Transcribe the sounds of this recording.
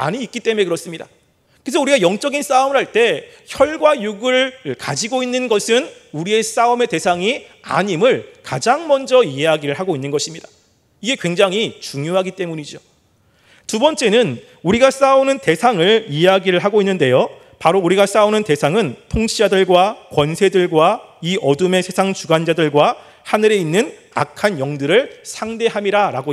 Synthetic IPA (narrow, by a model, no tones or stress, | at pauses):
a̰ɲiːk͈it͈e̞me̞kɯɾʌs͈ɯmɲida̰ | kɯesʰʌuɾiɡajʌŋt͡ɕ͈ʌɡins͈aumɯɾhaɭt͈e̞ | çjʌɭɡwajuɡɯɭkad͡ʑiɡoinːɯnɡʌsʰɯnuɾie̞s͈aume̞te̞sʰaŋia̰ɲimɯɭkad͡ʑaŋmʌnd͡ʑʌiɦe̞ɦaɡiɾɯɭɦaɡoinːɯnɡʌɕʰimɲidḁ | iɡe̞kwe̞ŋd͡ʑaŋɦit͡ɕuŋjoɦaɡit͈e̞muɲid͡ʑo | tubʌnt͡ɕ͈e̞nɯn | uɾiɡas͈aunɯnte̞sʰaŋɯɭiɦe̞ɦaɡiɾɯɭɦaɡoinːɯnde̞jo | paɾouɾiɡas͈aunɯnte̞sʰaŋɯntʰoŋt͡ɕʰid͡ʑadɯɭɡwakwʌnsʰe̞dɯɭɡwaiʔʌdɯme̞sʰesʰaŋt͡ɕuɡand͡ʑadɯɭɡwa | hanɯɾe̞inːɯn | a̰kʰanjʌŋdɯɾɯɭsʰaŋde̞ɦamiɾaɾaɡo